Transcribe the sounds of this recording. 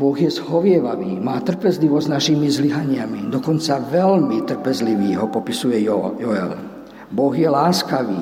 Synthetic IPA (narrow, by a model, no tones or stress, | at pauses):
bɔɣjɛzɦɔʋɪɛʋaʋiːmaːt̪r̩pɛzliʋɔzznaʃiːmizliɦaɲɪamid̪ɔkɔnt͡saʋɛlmit̪r̩pɛzliʋiːɦɔpɔpisujɛjɔɛ̰l | bɔɣjɛlaːskaʋiː